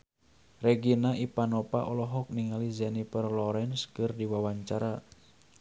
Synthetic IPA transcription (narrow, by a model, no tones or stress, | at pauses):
rɛɡinaʔipanɔpa̰ʔɔlɔɦɔk̚niŋalizanipərlɔɾɛnskɨrdiwawaɲt͡ʃaɾa